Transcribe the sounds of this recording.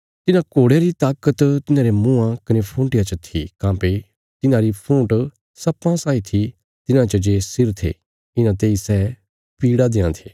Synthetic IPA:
t̪ɪnãkoːɽjaɾit̪aːkət̪t̪ɪnãːɾemũãkɐnepʰũːʈɪjat͡ʃət̪ʰḭkãːpe | t̪ɪnãɾipʰũːʈ | sɐpːãsaːit̪ʰi | t̪ɪnãt͡ʃəd͡ʒeːsɪɾt̪ʰḛː | ɪnãt̪eːisɛː | piːɽad̪ẽːãt̪ʰeː

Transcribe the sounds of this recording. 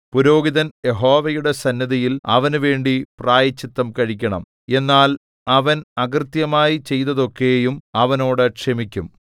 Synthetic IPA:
puɾo̞ːɡiðɐnje̞ɦo̞ːʋɐjuɽe̞sɐnːjɐðijilɐ̰ʋɐnuʋe̞ːɳɖipraːjɐt͡ɕːit̪ːɐmkɐɻikʲːɐɳɐm | e̞nːaːl | ɐʋɐnɐɡrt̪jɐmaːjit͡ɕe̞jt̪ːɐðo̞kːejumɐʋɐno̞ːɽɨkʂemikʲːum

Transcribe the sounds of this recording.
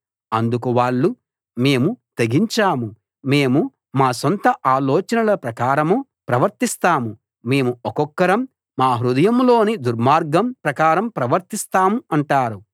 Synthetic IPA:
ɐnd̪ukuʋaːɭːu | me̞ːmut̪eɡiɲt͡ʃaːmu | me̞ːmu | maːsont̪ɐʔaːlɔːt͡ʃɐnɐlɐpɾɐkaːɾɐmu | pɾɐʋɐɾt̪ist̪aːmu | me̞ːmuɔkɔkːɐɾɐmː | aːɦɾud̪ɐjɐmlo̞ːnid̪uɾmaːɾɡɐmpɾɐkaːɾɐmpɾɐʋɐɾt̪ist̪aːmuɐɳʈaːɾu

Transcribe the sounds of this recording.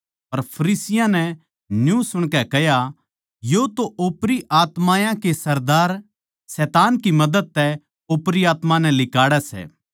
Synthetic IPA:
pɐɾpʰɐɾiːsɪjãnɛ | njũsʊɽ̃kɛkɛja | jot̪oʔoːpɾiʔaːt̪mãːjãkesɐɾd̪aːɾ | sɛːt̪aːnkimɐd̪əd̪̚t̪ɛ | oːpɾiaːt̪mãnɛ̃lɪkaːɽɛsɛ̰ː

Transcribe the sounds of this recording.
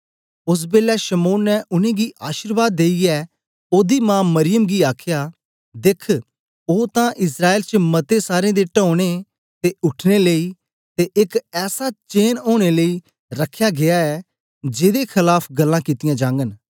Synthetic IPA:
ʊs̬beːlɛʃəmoːnːɛʊnẽːɡiːʔaːʃəɾʋaːd̪ːeːiɛː | oːd̪iːmãːmɐɾɪjəmɡiːaːkʰjaː | d̪ɪkʰ | oːt̪ãʔɪs̬ɾaːeːlt͡ʃmɐt̪esaːɾẽːd̪eʈɔ̃ːɽ̃e | t̪eʊʈʰneləiː | t̪eʔɪkɛːsat͡ʃeːnoːɽ̃eləiː | ɾəkʰːjaːɡɪaːɛː | d͡ʒeːd̪ekʰɪlaːpʰɡɐlːãːkɪt̪ɪjãːd͡ʒãːŋɡən

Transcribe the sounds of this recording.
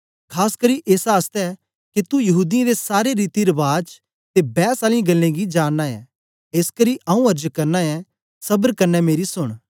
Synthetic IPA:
kʰaːskɐɾiʔeːsaːst̪ɛ | kit̪ujɐɦuːd̪ijãd̪esaːɾeɾiːt̪iɾɐbaːd͡ʒ | t̪ebɛːsaːlĩɡɐlːẽɡid͡ʒaːnːaɛ̃ | eːskɐɾiʔɐũɐɾd͡ʒkɐɾnaɛ̃ | sɐbəɾkɐɾnːɛmeːɾisʊɽ̃

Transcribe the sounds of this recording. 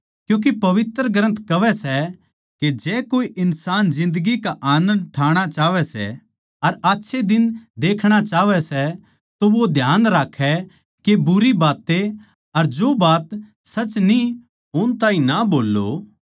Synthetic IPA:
kjũːk̬epɐʋɪt̪ɾəɡɾə̃nt̪kɐʋɛsɛ | ked͡ʒɛːkoːiʔɪnsaːnzɪ̃nd̪əɡikaʔaːnə̃nɖ̪̚ʈʰaːɽ̃at͡ʃaːʋɛsɛ̰ | ɐɾaːtːʃʰed̪ɪnd̪eːkʰɽ̃at͡ʃaːʋɛsɛ | t̪oʋod̪ʱjaːnɾaːkʰːɛ | kebʊɾibaːt̪ːe | ɐɾd͡ʒoːbaːt̪ | sɐt͡ʃni | ɦʊnt̪ãːĩnaboːlːo̰

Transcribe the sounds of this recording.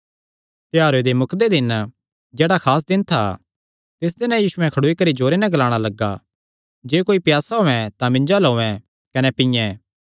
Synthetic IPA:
t̪ɪaːɾed̪emʊkd̪ed̪ɪn | d͡ʒeːɽakʰaːs̬d̪ɪnt̪ʰa | t̪ɪs̬d̪ɪnɛ̃jiːsʊɛ̃kʰɐɽoːikɐɾid͡ʒoːɾenɛ̃ɡɐlaːɽ̃alɐɡːa̰ | d͡ʒeːkoːipjaːsaɦoːɛ̃t̪ãmɪ̃ɲd͡ʒaloːɛ̃ | kɐnɛpɪ̃jɛ̃

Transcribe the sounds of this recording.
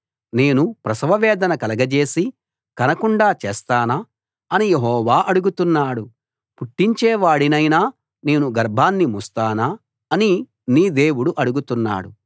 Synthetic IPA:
ne̞ːnupɾɐsʋɐʋɛːd̪ɐnɐkɐlɐɡɐd͡ʒe̞ːsi | kɐnɐkuɳɖaːt͡ʃɛːst̪aːna | ɐnijeɦɔːʋaːʔɐɽuɡut̪unːaːɽu | puʈːiɲt͡ʃɛːʋaːɽinɐjnaː | ne̞ːnuɡɐɾbʱaːnːimust̪aːnaː | ɐni | niːd̪e̞ːwuɽuʔɐɽuɡut̪unːa̰ːɽu

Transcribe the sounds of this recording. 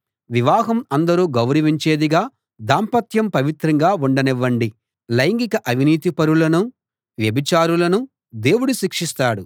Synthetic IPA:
ʋiʋaːɦɐmɐnd̪ɐɾuːɡɐwɾɐʋiɲt͡ʃeːd̪iɡaː | d̪aːmpɐt̪ʰjɐmpɐʋit̪ɾɐŋɡaːuɳɖɐnɛʋːɐɳɖi | lɐjŋɡikɐʔɐʋiniːt̪ipɐɾulɐnu | ʋjɐbʱit͡ʃaːɾulɐnu | d̪e̞ːwuɽuʃikʂist̪aːɽu

